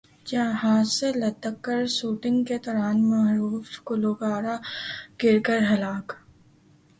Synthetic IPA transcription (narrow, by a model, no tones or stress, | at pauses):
d͡ʒaːɦaːselɐt̪ːəkːəɾsuːʈɪ̃ŋɡket̪ɔːɾaːnmaɦɾuːfkʊloːkaːɾaɡ̥ɪɾkəɾɦɐlaːk